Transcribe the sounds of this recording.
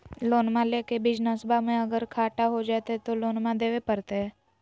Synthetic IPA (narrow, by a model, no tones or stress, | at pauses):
loːnmãleːkebɪd͡ʒnəsbamẽəɡəɾkʰaːʈaɦod͡ʒaːt̪ɛt̪oloːnmãd̪eːʋepəɾt̪eɦɛː